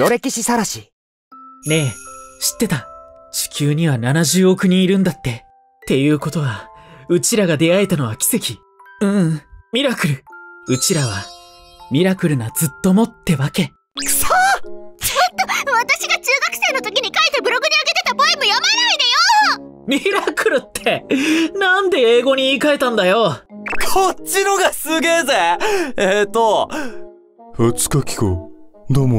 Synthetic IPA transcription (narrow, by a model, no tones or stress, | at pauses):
j̪o̞ɾe̞kʲiɕisaɾaɕi | ne̞ɕi̥t̪ːe̞t̪at͡ɕi̥kʲɨːɲ̟iβananaʑɨːo̞kɯ̟ɲ̟ĩːɾɯ̟̃nd̪at̪ːe̞ | t̪e̞jɯ̟ːko̞t̪o̞βaɯ̟t͡ɕiɾaɡad̪e̞aet̪ano̞βakʲi̥se̞kʲi | ɯ̃mʲiɾakɯ̟ɾɯ̟ɯ̟t͡ɕiɾaβa | mʲiɾakɯ̟ɾɯ̟nad͡zɨt̪ːo̞mo̞t̪ːe̞βake̞ | soːt͡ɕot̪ːoβat̪aɕiɡat͡ɕɨːɡakɯ̟̥se̞ːnot̪o̞kʲiɲ̟ikait̪e̞bɯ̟ɾo̞ɡɯ̟d̪eaɡe̞t̪e̞t̪aboemɯjamenaid̪ejo | mʲiɾakɯ̟ɾɯ̟t̪ʰːe̞nãnd̪e̞eːɡo̞ɲ̟iːkae̞t̪ãnd̪ajo̞kʰot͡ɕːinoɡasɨɡe̞ːzeet̪ːo | hɯt͡sɨ̥kakʲi̥ko̰d̪omo